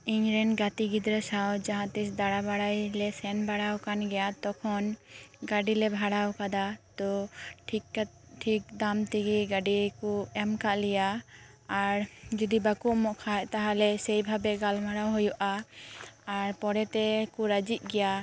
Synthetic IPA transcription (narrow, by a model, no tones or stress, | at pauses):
iɲɾɛnɡat̪iɡid̪ɾəsawd͡ʒaɦãt̪isd̪aɽabaɽajlɛsɛnbaɽawkanɡɛjat̪ɔkʰɔnɡaɖilɛbʱaɽawkad̪at̪ɔʈʰikʈʰik̚d̪amt̪iɡiɡaɖikuɛmkaʔlɛjaː | ɾd͡ʒud̪ibakuʔmɔʔkʰaɛʔt̪aɦalɛsɛjbʱabɛɡalmʱaɽawɦɔjɔʔaː | ɾpɔɽɛt̪ɛkuɾad͡ʒit̪̚ˀɡɛja